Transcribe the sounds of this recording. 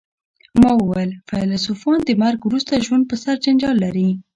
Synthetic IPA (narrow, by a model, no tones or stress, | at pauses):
mɑwəwajlfalasufɑnd̪əmaɾɡwɾust̪aʒwand̪̚pəsaɾd͡ʒand͡ʒɑlːaɾi